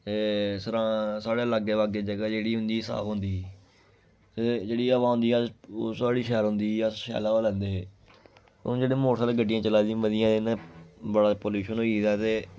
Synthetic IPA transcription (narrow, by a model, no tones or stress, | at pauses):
t̪eːsəɾãːsaːɽeːlaɡeːʋaːɡeːd͡ʒəɡaːd͡ʒeːɽiːɦʊnd̪iːsa̰ːpɦʊnd̪iː | t̪eːd͡ʒeːɽiːəʋãːɦʊ̃nd̪iːəoːsaːɽiːʃɛːɾɦʊ̃nd̪iːəsʃɛ̰ːlaːaːlɛ̃ːnd̪eː | ʊ̰d͡ʒeːɽeːmoːʈsaːleːɡəɖːɪjãːt͡ʃəlaːd̪ĩːməd̪ɪjãːenãbəɽaːpoːljuːʃənɦoːiːd̪aːt̪eː